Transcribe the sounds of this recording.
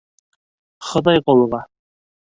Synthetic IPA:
χɤ̆d̪ɑjqolˠɤʁɑ

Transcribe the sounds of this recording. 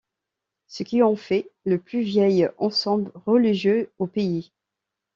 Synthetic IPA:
səkʲiɑ̃fɛləplyvjɛjɑ̃sɑ̃blʁəliʒjøopei

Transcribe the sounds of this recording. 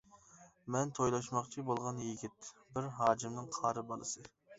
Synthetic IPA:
mɛnt̪ʰojlˠɑʃmɑqt͡ʃʰibolˠʁɑnjiɡʲit̪̚bɪɾɦɑːd͡ʒimnɨŋqʰɑːɾɨbɑlˠɨsɨ

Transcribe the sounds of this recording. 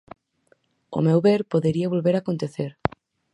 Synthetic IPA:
o̰mewβeɾpoðeɾiaβ̞olβeɾakont̪eθeɾ

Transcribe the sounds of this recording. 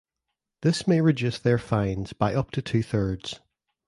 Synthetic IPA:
ðɪsmeɹɪd͡ʒʉsðə˞fãɪ̃nz̥baɪʔʌp̚tʰətʰʉːθɜ˞dz̥

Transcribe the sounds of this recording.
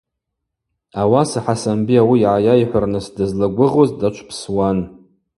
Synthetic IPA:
awasaħasambiawiːʕajajħʷarnɨsdɨzlaɡʷʊʁozdat͡ʃʷʰpʰswan

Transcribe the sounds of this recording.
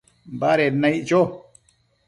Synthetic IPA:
baɾenaiʔt͡ʃo

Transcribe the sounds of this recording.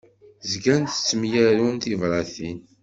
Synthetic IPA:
zɡænt̪ə̥t͡sːəmjæɾunt̪ivɾˤɑθin

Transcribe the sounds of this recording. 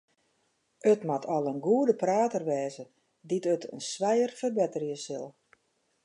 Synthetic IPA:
ətmatʰɔlˠənɡuədəpraːtərʋɛːzə | ditətʰə̰nsʋɛjərfərbɛtərjəsɪlˠ

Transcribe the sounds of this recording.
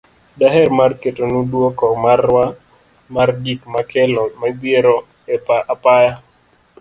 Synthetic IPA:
daɦɛrmarketonudwokɔmarːwa | mardikmakɛlɔmabjeɾɔ | ɛapaja

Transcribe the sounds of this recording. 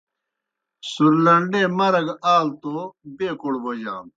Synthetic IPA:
suɾlɐɳɖeːmɐɾɐɡaːlt̪oːbeːkuɽbod͡ʑaːm

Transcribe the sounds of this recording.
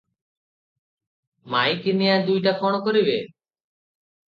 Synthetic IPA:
majkinijad̪ujʈakʰɔɽ̃ɔkɔɾibe

